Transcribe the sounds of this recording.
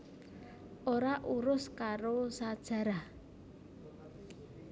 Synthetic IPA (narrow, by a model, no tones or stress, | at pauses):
ʔoɾaʔuɾʊskaɾosad̥ʒ̥a̤ɾa